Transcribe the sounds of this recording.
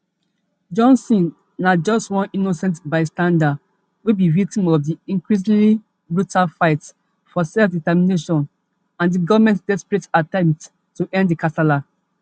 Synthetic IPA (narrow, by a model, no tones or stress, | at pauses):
d͡ʒɔ̃nsĩnː | ad͡ʒɔstwɔ̃ninosɛ̃ntbaɪstãndad | webivik̚tĩmɔfdiĩŋkɹisĩli | bɹutalfaɪts | fɔsɛlfditɛmineʃɔ̃n | ãndiɡɔvamɛ̃ntdɛspɹetatɛ̃mt | tːuʔɛ̃nddikʰatala